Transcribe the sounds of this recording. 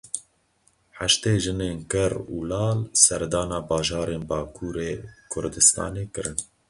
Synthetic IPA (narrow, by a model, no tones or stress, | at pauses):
ħaʃt̪eːʒɨneːnkɨɾuːlɑːlsɛɾd̪ɑːnɑːbɑːʒɑːɾeːnbɑːkʰuːɾeːkʰʊɾd̪ɨst̪ʰɑ̰ːneːkɨɾɨn